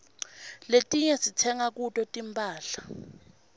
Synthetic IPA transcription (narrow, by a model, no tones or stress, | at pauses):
letʼiɲɛsitʰɛŋak̬utʼɔtʼimpʼaːɬḁ